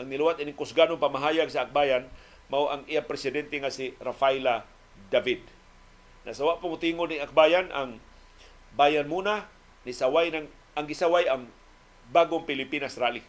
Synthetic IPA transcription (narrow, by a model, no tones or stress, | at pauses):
ʔaŋnɪlwat̪ʔɪnɪŋkʊsɡanoŋpamaɦaːjaɡsaːk̚baːjan | mawʔaŋijapɾɛsɪd̪ɛnt̪ɛŋasɪɾafajla | d̪avid̪̚ | nʔa̰sawaʔpaŋt̪iŋoniak̚baːjanʔa̰ŋ | baːjanmuːna | nisawajnaŋ | ʔaŋɡɪsawajaŋ | baɡoŋpɪlɪpinasɾaːli